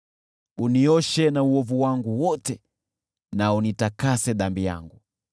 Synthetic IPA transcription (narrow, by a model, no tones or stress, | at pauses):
uniɔʃɛnauɔvuwaŋɡuwɔtɛ | naunitakasɛɗambija̰ŋɡu